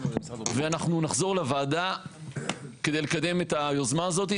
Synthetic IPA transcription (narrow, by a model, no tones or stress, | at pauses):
veanaχnunaχzo̞ʁlavaːd̪a | ked̪ejlekad̪e̞met̪ajozmaːzo̞t̪i